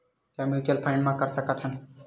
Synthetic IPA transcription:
t̪jãmjuːʈijəlpʰãɪɳɖmãkəɾsəkət̪hən

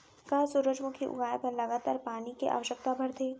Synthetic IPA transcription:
kaːsʊɾəd͡ʒmʊ̃kʰiʔʊ̰ɡaːjepɐɾlɐɡaːt̪aːɾpaːnikḛʔa̰ːʋəʃək̚t̪abʱɐɾt̪ʰeː

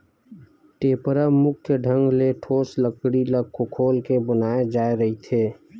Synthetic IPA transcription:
ʈeːpɾəmʊkʰjəɖʱə̃ŋɡleʈʰoːsləkɽiləɡkʰːokʰolkebənaed͡ʒaːeɾəɦit̪ʰeː

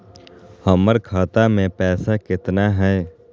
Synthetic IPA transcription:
həməɾkʰaːt̪amẽpɛːsakɪt̪naɦɛː

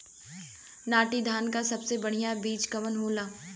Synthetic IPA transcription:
naːʈid̪ʱaːnkasɐbsebɐɽ̤ijabiːd͡ʒkɐʋənɦoːlaː

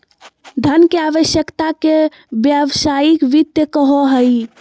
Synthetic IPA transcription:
d̪ʱənkeaʋəʃjəkt̪ake | bjəʋsajikʋit̪jəkəɦoɦəi

